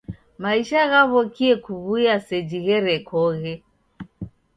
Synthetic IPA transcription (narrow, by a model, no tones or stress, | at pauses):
maiʃaɣaβɔkiɛkuβuiasɛd͡ʒiɣɛɾɛkʰɔɣɛ